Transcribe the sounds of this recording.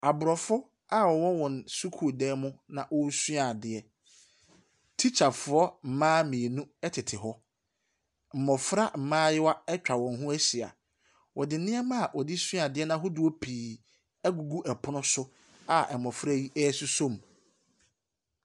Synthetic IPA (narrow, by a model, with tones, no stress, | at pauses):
a˨bʊ˨ɾɔ˨fʊ˦ | a˦wɔ˨wɔ˦wɔ̃˨nsu˦kʰu˨˦˨dɛː˦mʊ̃˦nã˨ʔɔ˦si˦a˨dɪ˨ɛ˦ | tʰi˦t͡ɕʰa˨fʊ˨ɔ˦m̩˨mãː˦mĩ˨e˨nũ˦ɛ˦tʰɪ˨tʰɪ˨ɦɔ˦ | m̩˨mɔ˨fɾa˦m̩˨mãː˦jɪ˦wa˦ɛ˦t͡ɕᶣa˨wɔ̃˨nɦʊ̃˦æ˦si˨a̰˨ | wʔɔ˨dɪ˨nɪ̃˦ɛ˦mã˦a˨wʔɔ˨dɪ˦si˦a˨dɪ˨˦ɛ˦nã˨ɦʊ˦dʊ˨o˦pʰiː˨ | ɛ˦ɡu˨ɡu˦ʔɛ˨pʰʊ˦nʊ̃˦sʊ˦ | a˨ʔɛ˨mɔ˨fɾa˦ji˦ʔɛː˦su˦sõ˦˨m